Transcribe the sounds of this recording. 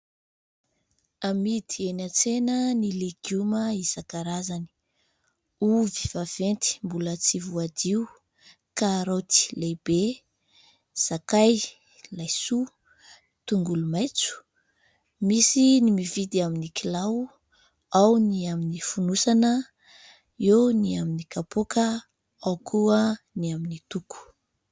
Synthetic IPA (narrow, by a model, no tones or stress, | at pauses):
amid̪ienat͡senənileɡuməizakaɾazani̥ | uvi̥v̥av̥ent̪i̥mbulət͡sivuad̪iu | kaɾawt̪i̥leb̥e | z̥akaj | lajsu | t̪uŋɡulumajt͡su̥ | misinimivid̪iaminikilaw | awniaminifunusanə | ewniaminikapokə | awkʰuə | niaminit̪uku̥